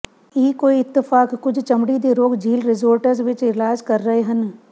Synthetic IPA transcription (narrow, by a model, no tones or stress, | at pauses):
jɪɦikoːiɪt̪ːɪfaːkːʊd͡ʒʰt͡ʃɐmɽid̪eɾoːɡd͡ʒʱiːlɾɪzoːɾʈəɾzʋɪt͡ʃɪlaːd͡ʒkɐɾːɐɦeɦɐn